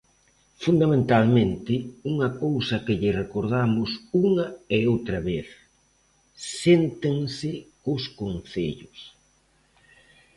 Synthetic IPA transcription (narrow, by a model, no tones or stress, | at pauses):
fund̪amẽnt̪almẽnt̪ɪuŋɐkowsɐkɪʎɪrekoɾðamʊsuŋɐeowt̪ɾɐβeθ | sent̪eŋsɪkʊskonθḛʎʊs